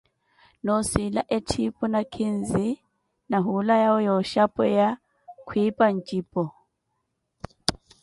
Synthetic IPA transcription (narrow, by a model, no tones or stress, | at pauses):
nɔsilaʔɛtʰipʼɔnakʰin̩zi | naɦulajaʊjɔʃapʼɔja | kʰwipʼan̩t͡ʃʼiːpʼɔ